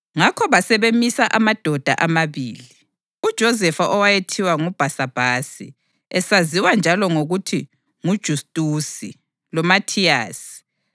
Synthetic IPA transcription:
ŋakʰɔβasɛβemisaʔamad̥ʱɔd̥ʱa̰ʔamaβiːli | ud̥ʒ̥ʱɔzɛfaʔɔwajetʰiwaŋub̥ʱasab̥ʱasḭ | ɛsaziwand͡ʒʱalɔŋoɣutʰi | ŋud̥ʒ̥ʱustʼusḭ | lɔmatʰijaːsi̥

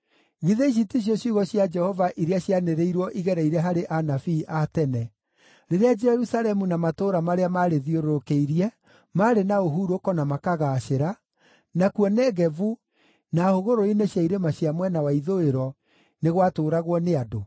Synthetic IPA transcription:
ɣiðeiɕ̬itiɕ̬jɔɕiːɣɔɕjad͡ʒɛhɔvaʔiɾeaɕjaneɾeiɾwɔʔiɣɛɾɛiɾɛɦaɾeʔanafiʔatɛnɛ | ɾeɾead͡ʒɛɾusalɛmunamatoɾamaɾeamaɾeðioɾoɾokeiɾiɛ | maːɾenaoɦuːɾokɔnamakaɣaʃeɾa | nakwɔnɛɣɛvu | nahoɣoɾoineɕjaiɾemaɕjamwɛnawaiðoeɾɔ | neɣwatoːɾaɣwɔneado

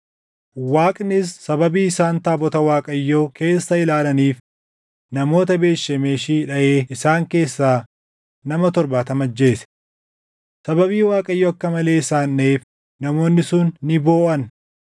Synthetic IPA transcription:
waːkʼnɪsːɐbɐbiːɪsaːnt̪aːbɔt̪ɐwaːkʼɐjːoːke̞ːsːɐɪlaːlɐniːf | nɐmo̞ːt̪ɐbe̞ːʃːɐmeːʃiːᶑɐʔe̞ːɪsaːŋke̞ːsːaː | nɐmɐt̪ɔɾbaːt̪ɐmɐd͡ʒːe̞ːsɛ̥ | sɐbɐbiːwaːkʼɐjːoːɐkːɐmɐle̞ːɪsaːnːeːf | nɐmo̞ːnːɪsʊnːɪbo̞ːʔɐn

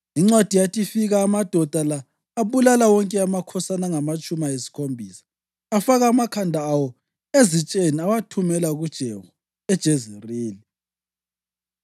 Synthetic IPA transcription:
iŋ͡ǀwad̥ʱijatʼifiɣaːmad̥ʱɔd̥ʱalaː | βulalawɔŋkʼɛamakʰɔsanaŋamat͡ʃʼumajesi̥kʰombʱiːsḁː | faɣaːmakʰandʱaːwɔ | ezit͡ʃʼeniawatʰumɛlaɣud̥ʒ̥ʱɛvu | ɛd̥ʒ̥ʱezeriːli

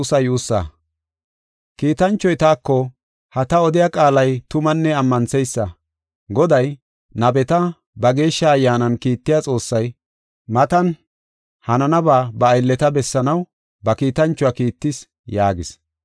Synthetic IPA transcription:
sɐjuːsːɐ̰ | kiːt̪ɐnt͡ʃːɔjt̪aːkːɔ | hɐt̪ɐɔd̪ɪjakʼaːlɐjt̪ʊmɐnːɛɐmːɐnsɛjsːɐ | ɡɔd̪ɐj | nɐbɛt̪ɐ | bɐɡe̞ːʃːɐːjːaːnɐnkiːt̪ːɪjat͡sʼo̞ːsːɐj | mɐt̪ɐn | hɐnɐnɐbaːbɐːjlːɛt̪ɐbɛsːɐnɐw | bɐkiːt̪ɐnt͡ʃːʊwɐkiːt̪ːɪs | jaːɡɪs

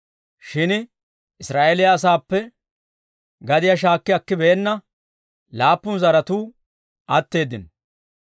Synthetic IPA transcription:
ʃɪn | ɪsɾaːʔelɪjɐːs̬aːpːɛ | ɡɐd̪ɪjaʃ̬aːkːɪjɐkːɪbɛːnːɐ | laːpːʊnzɐɾɐt̪uː | ʔɐt̪ːe̞ːd̪ɪn

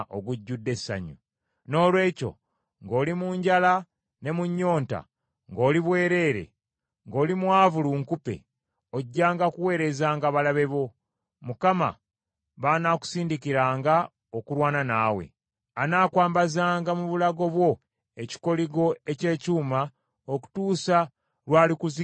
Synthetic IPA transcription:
ʔo̰ɡuɟːudːe̞sːa̰ɲu | no̞ːlwe̞ːco̞̰ | ŋɡo̞ːlimuːɲɟala | ne̞muɲːo̞ːnta̰ | ŋɡo̞ːliβwe̞ːɾe̞ːɾe̞̰ | ŋɡo̞ːlimwaːvuluːŋkupe̞̰ | oɟːaːŋɡakuwe̞ːɾe̞zaːŋɡaβalaβe̞βo̞ | mukama̰ | βanaku̥siːndikiɾaːŋɡa | okuɾwaːnanaːwe̞̰ | anaːkwaːmbazaːŋɡamuβulaɡo̞βwo̞ | e̞ci̥ko̞liɡo̞e̞ce̞ːcuːma | oku̥tuːsa | lwaːlikuzi

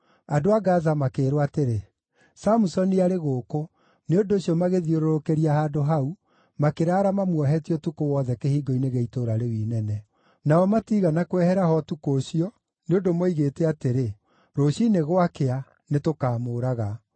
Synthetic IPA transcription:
adoaɡazamakeːɾwateɾe | samusɔniaɾeɣoːko | neondoːsiɔmaɣeðioɾoɾokeɾiahaːdoɦau | makeɾaːɾamamwɔɦɛtiɔtukowɔðɛkehiːɡoineɣeitoɾaɾewiːnɛnɛ | naɔmatiːɣanakwɛhɛɾahɔtukoːɕiɔ | neondomoiɣeːtɛateɾe | ɾoɕineɣwakea | netokaːmoːɾaɣa

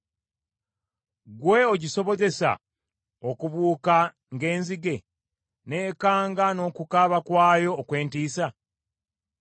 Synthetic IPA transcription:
ɡwe̞oɟiso̞βo̞ze̞sa̰ | okuβuːka | ŋɡe̞ːnziɡe̞ | ne̞ːkaːŋɡano̞ːkukaβakwaːjo̞ːkwe̞ːntiːsa

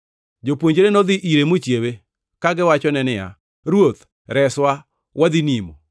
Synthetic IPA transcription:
d͡ʒopwoɲd͡ʒɾenɔd̪ɪʔiɾemot͡ʃjewe | kaɡɪwat͡ʃɔnɛnɪja̰ | ɾwot̪ | ɾɛswa | wad̪inimo̰

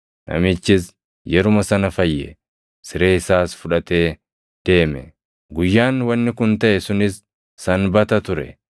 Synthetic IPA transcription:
nʔɐ̰mɪt͡ʃːɪs | jɛɾʊmɐsɐnɐfɐjːɛ̰ | sɪɾe̞ːɪsaːsfʊᶑɐt̪e̞ː | d̪̥e̞ːmɛ̰ | ɡʊjːaːnwɐnːɪkʊnt̪ɐʔɛsʊnɪsː | ɐnbɐt̪ɐt̪ʊɾɛ̰

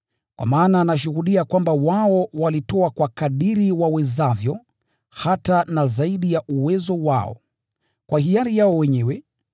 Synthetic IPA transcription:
kwa̰maːnanaʃuhuɗiakwambawaɔwalitɔakwakaɗiɾiwawɛzavjɔ | hatanazaiɗijaʔuwɛzɔwa̰ɔ̰ | kwahijaɾijaɔwɛɲɛwɛ

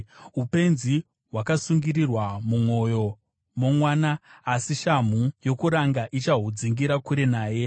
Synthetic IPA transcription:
upe̞nzi | ɦwakasuŋɡiɾirwamumwo̞jo̞ | mo̞mwaːnaːsiʃam̤ujo̞kuɾaŋɡaʔit͡ʃaɦud͡ziŋɡiɾakuɾe̞naːje̞

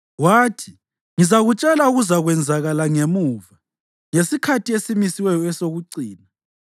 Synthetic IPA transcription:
waːtʰi̥ | ŋizaɣut͡ʃʼɛlauɣuzaɣwɛnd͡zʱaɣalaŋemuːva | ŋesikʰatʰiesimisiwɛjɔɛsoɣuǀiːna

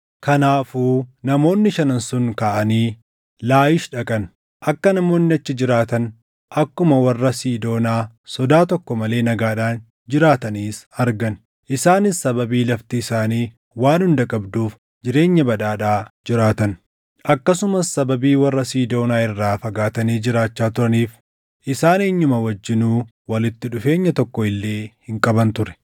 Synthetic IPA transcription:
kɐnaːfuːnɐmo̞ːnːɪʃɐnɐnsʊŋkaːʔɐniː | laːjɪʃᶑɐkʼɐn | ʔɐkːɐnɐmo̞ːnːɪɐt͡ʃːɪd͡ʒɪɾaːt̪ɐn | ʔɐkːʊmɐwɐrːɐsiːd̪o̞ːnaː | sɔd̪aːt̪ɔkːɔmɐle̞ːnɐɡaːᶑaːn | d͡ʒɪɾaːt̪ɐniːsɐɾɡɐn | ʔɪsaːnɪsːɐbɐbiːlɐft̪iːsaːniː | waːnhʊnd̪ɐkʼɐbd̪uːf | d͡ʒɪɾe̞ːɲːɐbɐd̪aːᶑaːd͡ʒɪɾaːt̪ɐn | ʔɐkːɐsʊmɐsːɐbɐbiːwɐrːɐsiːd̪o̞ːnaːɪrːaːfɐɡaːt̪ɐniːd͡ʒɪɾaːt͡ʃːaːt̪ʊɾɐniːf | ʔɪsaːneːɲːʊmɐwɐd͡ʒːɪnuː | wɐlɪt̪ːɪᶑʊfe̞ːɲːɐt̪ɔkːɔɪlːeːhɪŋkʼɐbɐnt̪ʊɾɛ̥

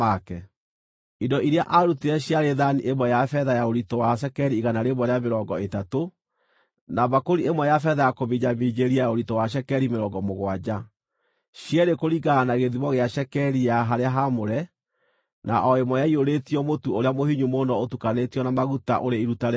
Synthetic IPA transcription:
akɛ | idɔiɾeaʔaɾuteɾɛɕjaɾeðaniʔemwɛjafɛðajaoɾitɔwaʃ̬ɛkɛɾiːɣanaɾeβɔɾeameɾɔɡɔetato | naβakoɾiemwɛjafɛðajakoβiɲamid͡ʑeɾiajaoɾitɔwaʃ̬ɛkɛɾimeɾɔɡɔmoɣwad͡ʑa | ɕjɛɾekoɾiɡaːnaɣeðiβɔɣeaʃɛkɛɾijaɦaɾeaɦamoɾɛ | naʔɔemwɔjaioɾetiɔmotuoɾeamohiɲumonɔotukanetiɔnamaɣuta̰ʔoɾeiɾutaɾ

